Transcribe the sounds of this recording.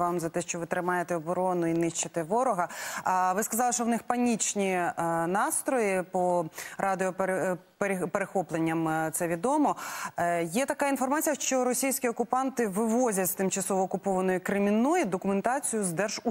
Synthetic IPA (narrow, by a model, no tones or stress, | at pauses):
ʋɑmzɐt̪ɛʃt͡ʃɔʋɪt̪ɾɪmɑjet̪ɛɔbɔɾɔnʊinɪʃt͡ʃɐt̪ɛʋɔɾɔɦɐʋɪskɐzɑlˠɪʃt͡ʃɔwnɪxpɐnʲit͡ʃnʲinɑst̪ɾɔjipɔɾɑd̪ɪɔpɾpeɾpeɾexɔplˠenʲːɐmt̪sɛʋʲid̪ɔmɔ | jɛt̪ɐkɑinfɔrmɑt͡sʲijɐʃt͡ʃɔɾɔsʲijsʲkʲiɔkʊpɑnt̪ɪʋɪʋɔzʲɐtʲst̪ɪmt͡ʃɐsɔʋɔːkʊpɔʋɐnɔjʊkɾɪmʲinɔjid̪ɔkʊment̪ɑt͡sʲijʊzd̪ɛrʒ̥u